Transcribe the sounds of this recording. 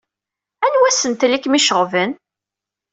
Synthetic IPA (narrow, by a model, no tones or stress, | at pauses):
ænwæsənt̪likmiʃəʁvən